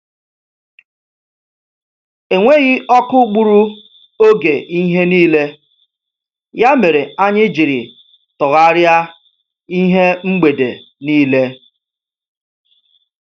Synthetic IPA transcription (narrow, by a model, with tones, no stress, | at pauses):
e˨ŋʷe˦ɣɪ˦ɔ˦kʊ˦k͡pu˦ɾu˦ | o˦ɡe˨ʔi˦ɦe˦niː˦le˦ | ja˦me˨ɾe˨a˦ɲɪ˦d͡ʒi˨ɾɪ̰˨ | tʊ˨ɣa˦ɾja˦ | i˦ɦe˦ŋ͡m̩˦ɡ͡be˨dḛ˨ | niː˦le˦